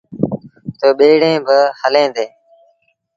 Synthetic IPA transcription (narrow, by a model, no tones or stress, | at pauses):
t̪oːɓeːɽẽːbəhəlẽːd̪eː